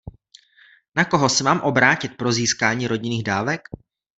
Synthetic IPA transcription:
nako̞ɦo̞sɛvaːmʔo̞bɾaːcɪt̪̚pɾo̞ziːskaːɲiːɾo̞ɟɪniːɣdaːvɛk

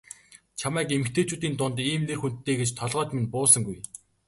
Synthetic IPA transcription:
t͡ɕʰamæːkemɘ̆kt̪ʰeːt͡ɕuːt̪iːnt̪ʊnt̪iːmnerxunt̪ʰːeːɡet͡ɕt̪ʰɔɮʁœːt͡ɕmenpʊːsə̆ŋɡuj

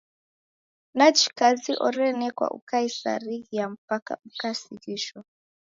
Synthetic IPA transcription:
nat͡ʃi̥kaziʔɔɾɛnɛkwa̰ʔṵkaisa̰ɾiɣijam̩paka̰m̩kasiɣiʃɔ

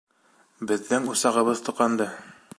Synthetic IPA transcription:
bɘ̆ðːɘŋusɑʁɤ̆βɤðt̪ŭqɑnd̪ɤ

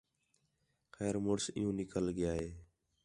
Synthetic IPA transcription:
xɛːɾmʊɽsɪ̰jũːnɪkəlɡɪjaːɦeː

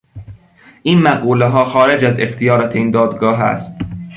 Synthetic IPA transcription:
ʔiːnmæɣuːleɦɒːxɒːɾed͡ʒæzext̪ʰijɒːɾɒːt̪ʰeiːnd̪ɒːd̪ɡɒːɦæ̰st̪

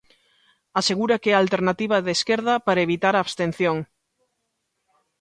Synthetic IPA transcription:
aseɣuɾakɛalt̪eɾnat̪iβaðeskeɾðɐpaɾaeβit̪aɾaːβst̪en̟θjoŋ

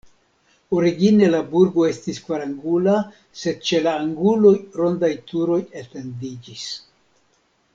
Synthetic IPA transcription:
o̞ɾiɡine̞labuɾɡo̞e̞stiskvaɾaŋɡula | se̞d̪̚t͡ʃe̞laːŋɡulo̞jɾo̞nd̪ajt̪uɾo̞jet̪e̞ndid͡ʒis

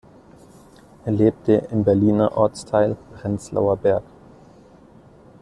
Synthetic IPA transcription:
ʔeːɐleːp̚tʰəʔɪmbɛɐliːnɐʔɔɐt͡stʰaɪlpʁ̥ɛnt͡sla̰ʊɐbɛɐk

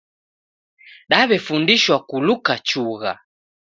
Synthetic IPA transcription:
ɗaβɛfundiʃwakulukat͡ʃuɣa̰

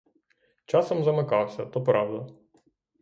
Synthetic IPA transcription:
t͡ʃɑsɔmzɐmɪkɑwsʲɐt̪ɔpɾɑwd̪ɐ

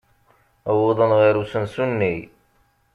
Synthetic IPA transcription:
əwoðˤənʁiɾusənsunːij

